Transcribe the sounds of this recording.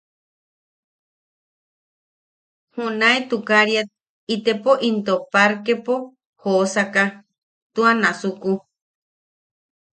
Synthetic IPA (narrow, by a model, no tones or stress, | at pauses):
hunaet̪ukaɾjat̪̚ | it̪epoʔint̪opaɾkepo | hosaka | t̪uanasuku